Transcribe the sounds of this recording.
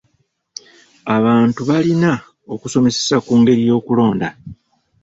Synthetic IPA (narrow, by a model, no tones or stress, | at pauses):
aβaːntuβalina | o̞kuso̞me̞se̞̥sakuːŋɡe̞ɾijo̞ːkulo̞ːnda